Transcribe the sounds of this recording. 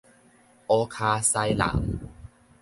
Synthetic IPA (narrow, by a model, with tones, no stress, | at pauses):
ʔɔː˧kʰaː˧sa˧jla̰˨˩˦ŋ